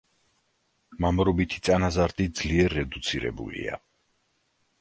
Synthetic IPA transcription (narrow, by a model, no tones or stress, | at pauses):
mamɾɔbit̪ʰi̥t̪sʼanazaɾd̪id̪z̥liɛɾːɛd̪ut̪sʰiɾɛ̰bṵlḭa̰